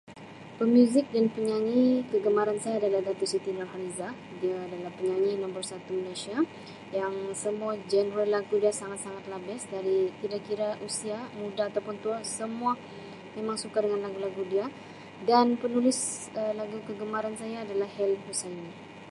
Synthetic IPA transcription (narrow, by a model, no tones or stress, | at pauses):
pəmjuzɪk̚danpəɲaŋikəɡəmaɾansajaːdalahɡat̪usit̪inɔrɦaniza | diaːdalapəɲaŋinɔmbərsat̪umalasia | jaŋsəmuad͡ʒənɾalaɡudiasaŋat̪saŋat̪̚labɪsdaɾikidakiɾaʔusiamudaat̪awpʊnt̪uasəmua | memaŋsukadəŋanlaɡulaɡudia | danpənulɪs | əlaɡukəɡəmaɾansajaːdalahhɛlhusajuni